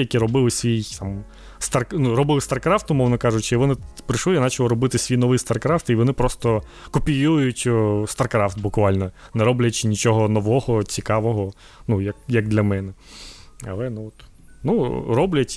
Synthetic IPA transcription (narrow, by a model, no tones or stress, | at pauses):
jɐkiɾɔbɪlˠɪsʲʋʲijt̪ɑm | st̪ɐrknurɔbɪlˠst̪ɐrkɾɑft̪ʊmɔʋnɔkɑʒʊt͡ʃɪiʋɔnɪpɾɪʃlɪjanɑt͡ʃɐlˠɔɾɔbɪt̪ɪsʲʋʲijnɔʋɪjst̪ɐrkɾɑft̪iʋɔnɪpɾɔst̪ɔ | kɔpʲijujʊtʲst̪ɐrkɾɑft̪bʊkʋɑlʲnɔnɛɾɔblʲɐt͡ʃɪnʲit͡ʃɔɦɔnɔʋɔɦɔt͡sʲikɑʋɔɦɔ | nujɐkjɐɡd̪lʲɐmɛnɛ | ɐ̰lˠɛnuɔt̪ | nurɔblʲɐtʲ